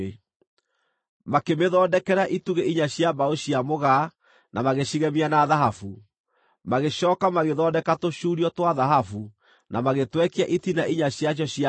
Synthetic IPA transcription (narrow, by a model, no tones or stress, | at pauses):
makemeðɔːdɛkɛɾaʔituɣeiɲaɕjabaoɕiamoɣa | nʔamaɣeɕiɣɛmianaðaɦafu | maɣeɕɔːkamaɣeðɔdɛkatoɕuːɾiɔtwaðaɦafu | namaɣetwɛkiaʔitinaʔiɲaɕiaɕ̬ɔɕia